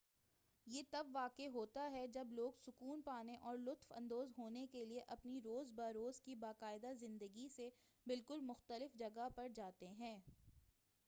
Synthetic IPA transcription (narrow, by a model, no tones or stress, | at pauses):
jeːt̪ɐbʋaːkeɦoːt̪aɦɛd͡ʒɐbloːɡsʊkuːnpaːneʔɔːɾlʊt̪fɐ̰̃nd̪oːzɦoːnekelieʔɐpniɾoːzbaːɾoːzkibaːqaːɪd̪azɪ̃nd̪əɡise | bɪlkʊlmʊxt̪əlɪfd͡ʒɐɡapɐɾd͡ʒaːt̪eɦɛ̃ː